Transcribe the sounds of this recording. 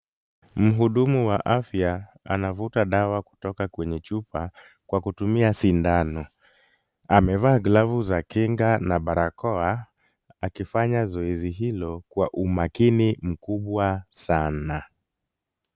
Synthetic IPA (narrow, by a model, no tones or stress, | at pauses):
m̩ɦuɗumuwaʔafja | a̰navutaɗawaku̥tɔkakwɛɲɛt͡ʃupa | kwʔakutumiasindanɔ | amɛvaːɡlavuzakiŋɡanaɓaɾakɔa | akifaɲazɔɛziɦilɔkwaʔumakinim̩kuɓwasana